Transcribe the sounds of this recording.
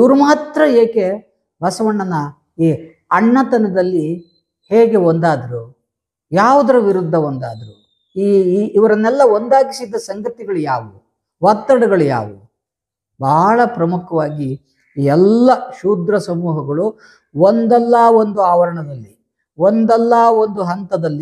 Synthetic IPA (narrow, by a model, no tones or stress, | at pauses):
iʋɐɾumaːt̪ɾɐeːke | bɐsɐʋɐɳːɐnɐ | iː | ɐɳːɐt̪ɐnɐd̪ɐlːi | heːɡe̞ond̪aːd̪ɐɾu | jaːʋud̪ɐɾɐʋiɾud̪ʱːɐond̪a̰ːd̪ɐɾu | iːʋɐɾɐnːɛlːɐond̪aːɡisid̪ːɐsɐŋɡɐt̪iɡɐɭujaːʋu | ʋɐt̪ːɐɽɐɡɐɭuja̰ːʋṵ | bʱɐɭɐpɾɐmukʰɐʋaːɡi | iːɛlːɐʃuːd̪ɾɐsɐmuːɦɐɡɐɭu | ond̪ɛlːaːond̪uaːʋɐɾɐɳɐd̪ɐlːi | ond̪ɛlːaːond̪uɦɐnt̪ɐd̪ɐlːi